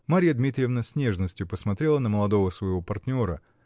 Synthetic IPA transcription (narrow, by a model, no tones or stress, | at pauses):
maɾʲɪjəd̪mʲit̪ɾʲɪjəvnəsʲnʲeʐnəsʲtʲjʊpəsmɐt̪ɾʲe̞lˠənəməlˠɐd̪o̞vəsvəjvo̞pɐrt̪ʲnʲo̞ɾə̰